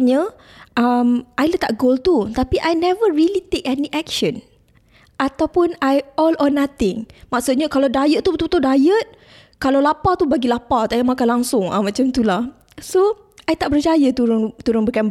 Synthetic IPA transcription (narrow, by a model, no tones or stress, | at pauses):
ɲa | ʔamʔajlət̪aʔ̚ɡolt̪ut̪apiʔajnɛvəɹilit̪ek̚ɛniʔɛk̚ʃə̃n | ʔat̪awpʊnajɔlɔnat̪ɪ̃ŋmaʔsuʊt̪̚ɲakalawdajət̪̚ːubət̪ubət̪udajət̪̚ | kalawlapat̪ubaɡilapat̪ajamakalaŋsʊŋa̰mãt͡ʃamt̪ulah | so | ʔajt̪aʔbərd͡ʒajət̪uɾʊnt̪uɾʊnbəkan